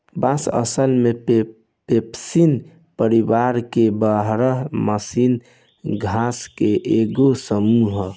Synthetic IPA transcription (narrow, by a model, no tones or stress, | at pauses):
basə̰səlmepe | pepsin | pəɾibaɾkebəɦɾəɦməsin | ɡʱaskeʔeɡosəmuɦ